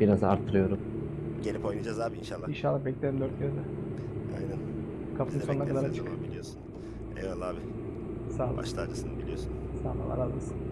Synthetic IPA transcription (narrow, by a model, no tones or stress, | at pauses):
b̥iɾaza̰ɾt̪ʰːɯɾɯjo̞ɾum | ɟelʲipo̞jnad͡ʒazaːbiinʃalˠːainʃalˠːaxbɛclʲeɾimd̪øɾt̪cʰeɾd̪ɛ | a̰jnæn | kʰapʰɯɯnsonnakʰad̪aɾat͡ʃʰɯk̪ːˠbilʲijo̞sun | ḛvɛlaːbɪ | saɦlˠba̰ʃt̪ʰaɾd͡ʒasɯnɯbilʲijosunsaɦlˠa̰lˠa̰ɾad̪ˠasɯ